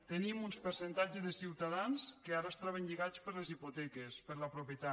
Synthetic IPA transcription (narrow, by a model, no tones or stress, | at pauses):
t̪enimunspəɾsent̪ad͡ʒezðəsiwt̪aðanskeaɾəest̪aβ̞enʎiɣat͡spəɾlezipot̪ɛkespəɾləpɾupjət̪a